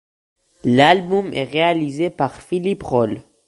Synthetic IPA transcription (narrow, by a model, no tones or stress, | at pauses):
lalmumʔḛʁealizepaʁfilipʁol